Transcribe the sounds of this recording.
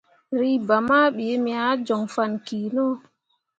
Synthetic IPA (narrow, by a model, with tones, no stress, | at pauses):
ɾi˦ba˨maː˦ɓi˨je˦mi˨a˦d͡ʒɔ˨ŋfa˨nkiː˨nɔ˦